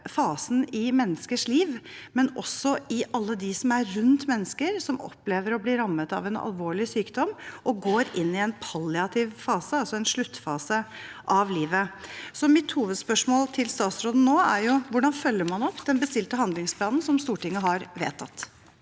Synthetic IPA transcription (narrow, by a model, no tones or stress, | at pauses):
fɑːsn̩ɪmɛnːəskəʂliːʋmɛnʔɔsːɔɪʔɑlːəd̪ɪsɔmæɾɾʉnt̪mɛnːəskəɾsɔmɔ̰pːleːʋəɾɔbliːɾɑmːət̪ɑ̰ʋɛnɑ̰lʋoːɭɪsyːkd̪ɔmːʔɔɡoːɾɪnːɪɛnpʰɑlːɪɑt̪ʰɪʋfɑːsəɑlsɔɛnʂɭʉt̪ːfɑːsəʔɑʋliːʋəsɔmɪt̪huːʋəd̪spœʂmoːlt̪ʰɪlst̪ɑːt̪sɾoːd̪n̩noːæɾjʊʋʊɖɑnfœlːəɾmɑnɔpːd̪ɛnbəst̪ɪlt̪əhɑnd̪lɪŋspʰlɑːnn̩sɔmst̪uːʈɪŋːəɦɑɾʋḛːt̪ʰɑt̪ː